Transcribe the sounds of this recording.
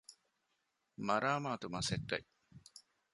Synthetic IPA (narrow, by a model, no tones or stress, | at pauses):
mɐɾaːmaːt̪umɐsekːɐ̰i